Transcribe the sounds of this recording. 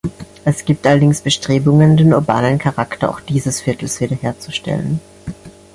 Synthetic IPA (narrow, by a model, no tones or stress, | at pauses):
ʔɛsɡ̥iːp̚tʔalɐdɪŋsb̥əʃtʁ̥eːbʊŋəndeːnʊɐba̰ːnənkʰaʁaktɐʔaʊxd̥iːzəsfɪɐtl̩sv̥iːdɐheːɐt͡suʃtɛ̰lə̰n